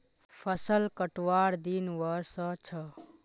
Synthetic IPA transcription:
pʰəsəlkəʈwaɽd̪inwəɾsət͡ʃʰə

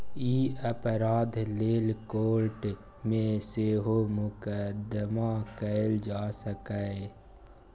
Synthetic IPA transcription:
iːəpɾaːd̪ʱleːlkoːɾʈ | mẽseːɦomʊkəd̪əmakəld͡ʒaːsəkəe

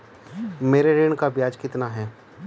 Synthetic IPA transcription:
meːɾeɾeːɳkabjaːd͡ʒkɪt̪naɦɛː

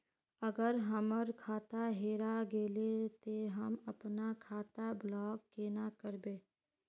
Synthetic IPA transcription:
əɡəɾɦəməɾkʰaːt̪aɦeːɾaɡeːlet̪oɦəmɐpnakʰaːt̪ablɔːkːenakəɾbeː

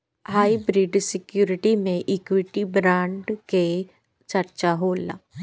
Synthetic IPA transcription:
ɦaːibɾiɖsɪkjuːɾɪʈimẽʔiːkwɪʈibɾãːɳɖke | t͡ʃəɾt͡ʃaɦoːla̰ː

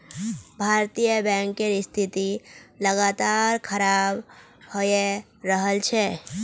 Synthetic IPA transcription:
bʱaːɾt̪ijəbɛ̃ŋkeɾɪst̪ʰit̪iləɡat̪aɾkʰəɾaːb | hoje | ɾəɦəlt͡ʃʰe

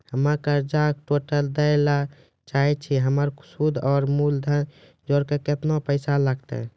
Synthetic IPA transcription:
həmakəɾd͡ʒak̚ʈoʈəld̪əjla | t͡ʃaɦɛt͡ʃʰiɦəməɾsud̪ʱɔːɾmuld̪ʱən | d͡ʒoɾkeket̪nopəɪsalaɡt̪ɛ̰

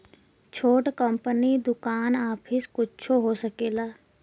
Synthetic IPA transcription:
t͡ʃʰoːʈkəmpənid̪ʊkaːnaːpʰɪskʊtt͡ʃʰoɦosəkeːlaː

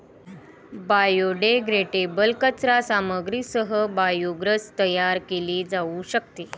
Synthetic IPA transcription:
bajoɖeɡɾeʈebəlkət͡sɾasaməɡɾisəɦəbajuɡɾət͡st̪əjaɾkeliːd͡zauɕək̚t̪e

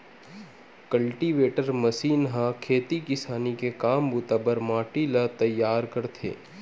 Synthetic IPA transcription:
kɐlʈiʋeːʈəɾməsiːnɦãkʰeːt̪ikɪsaːnikekaːmbuːt̪abəɾmãːʈilat̪ɐjːaːɾkɐɾt̪ʰḛː

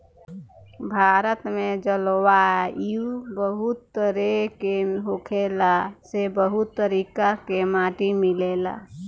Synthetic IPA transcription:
bʱaːɾət̪mẽd͡ʒəlwaiubəɦut̪ːəɾekeɦokʰelasebəɦut̪ːəɾiːkakemaːʈimileːla̰

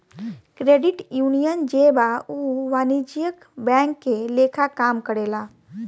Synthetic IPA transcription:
kɾeːɖɪʈjuːnijənd͡ʒebauːʋaːnid͡ʒijək | bɛ̃ːŋkːeleːkʰakaːmkəɽeːlaː

